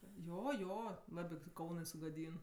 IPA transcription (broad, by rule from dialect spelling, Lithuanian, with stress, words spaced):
ˈjoː ˈjoː ˈlˠɑːbʲɪ tʲiɛ ˈkɐʊnɜ sʊɡɐˈdʲiːn